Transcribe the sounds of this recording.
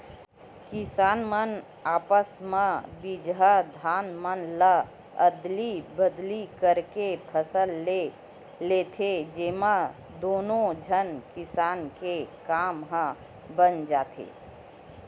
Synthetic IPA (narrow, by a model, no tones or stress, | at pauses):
kɪsaːnmən | aːpəsmãbid͡ʒɦad̪ʱaːnmənlə | əd̪libəd̪likəɾkepʰəsəl | let̪ʰed͡ʒemã | d̪oːnõd͡ʒʱənkɪsaːnkekaːmɦə̃ | bənd͡ʒaːt̪ʰḛː